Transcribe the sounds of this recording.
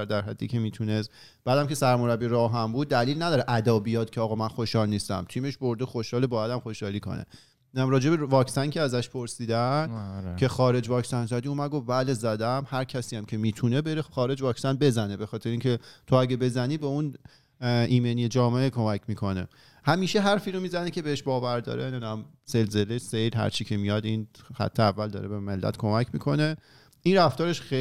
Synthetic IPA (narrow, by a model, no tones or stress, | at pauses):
æɾd̪æɾɦæ̰d̪ːḭcʰe̞miːt̪ʰune̞s | b̥æːd̪æmcʰe̞sæɾmo̞ɾæbːiɾɒːɦæmbuːd̪̚ːæliːlnæd̪ɒːɾeʔæd̪ɒːbijɒːd̪̥cʰeɒːɣɒmænxo̞ʃhɒːlniːst̪æ̰mt̪ʰiːmeʃbo̞ɾd̪exoʃhɒːlebɒːjæd̪æmxo̞ʃhɒːliːkʰo̞̰nḛ | ɾɒːd͡ʒe̞bevɒːksænkcʰeæzæʃpʰo̞ɾsiːd̪æ | cʰe̞xɒːɾe̞d͡ʒvɒːkʰsænzæd̪iumæɡovbæle̞zæd̪æmhæɾcʰæsiːjæmcʰe̞miːt̪ʰune̞beɾeχɒːɾe̞d͡ʒvɒːksænbe̞zæne̞bexɒːt̪ʰeɾeiŋcʲʰet̪ʰo̞æɟæbe̞zæniːbeun | ʔiːmenijed͡ʒɒːmeekʰo̞mækʰmiːkʰo̞ne̞̰ | hæmiːʃe̞ɦæɾfiːɾo̞miːzænecʰʲe̞beheʃbɒːvæɾd̪ɒ̰ːɾened̪unæm | z̥e̞lze̞lesejlɦæ̰ɾt͡ʃʰicʰe̞mijɒd̪inxæ̰t̪ʰːeævːæld̪ɒ̰ːɾebeme̞lːæ̰t̪kʰo̞mæcʰmḭkʰo̞ne̞ | ʔinræft̪ɒːɾeʃe